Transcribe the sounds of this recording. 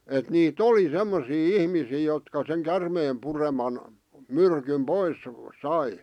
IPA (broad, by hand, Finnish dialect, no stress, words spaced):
et niːt oli semːosiː ihmisiː jotkɑ seŋ kærmeːm puremɑn myrkym pois sɑi